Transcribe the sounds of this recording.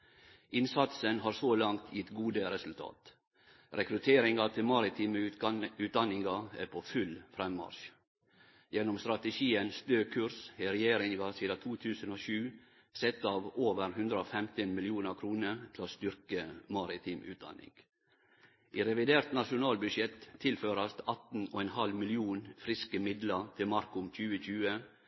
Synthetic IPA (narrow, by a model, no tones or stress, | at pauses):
ʔɪnsɑt̪sənɦɑːɾsoːlɑŋt̪ʰjɪt̪ːɡuːd̪əɾɛsʉlt̪ʰɑ̰ːt̪ | ɾɛkɾʉt̪ʰeːɾɪŋɑt̪ʰɪlmɑɾɪt̪ʰɪːmʉːt̪̚d̪ɑnɪŋɡɑæɾpʰoːfʉlfɾɛmːɑ̰ɾʃ | jɛnʊmst̪ɾɑt̪əʃiːənst̪øːkʰʉɾshɛɾɛjeːɾɪŋɡɑsiːd̪ɑt̪ʰuːt̪ʰʉːsənoːʃʉː | sɛt̪ːɑːʋoːʋəɾhʉnd̪ɾəoːfɛmt̪ɪnmɪlɪuːnəɾkʰɾuːnəɾt̪ʰɪloːst̪ʏɾkəmɑɾɪt̪ʰɪmʔʉ̰ːt̪̚d̪ɑ̰nɪ̰ŋɡ̥ | ʔiːɾɛʋɪd̪eːɾt̪nɑʃʊnɑːlbʉʃjɛt̪ʰːɪlføːɾɑst̪ɑt̪n̩oːɛnhɑlmɪlɪuːnfɾɪskəmɪd̪lət̪ʰɪlmɑɾkʊmc͡çʉːəc͡çʉːə